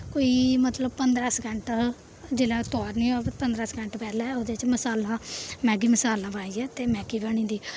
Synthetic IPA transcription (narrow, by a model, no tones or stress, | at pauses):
koːiːmət̪ləb̚pənd̪ɾaːsɡəɳʈ | d͡ʒelãːt̪ɔːɾnĩːaːpət̪pənd̪ɾaːsɡəɳʈpɛːlɛːod̪eːt͡ʃməsaːlãːmɛ̃ːɡiːməsaːlãːbãːiɛːt̪eːmɛ̃ːɡiːbaːɽ̃ĩːd̪iː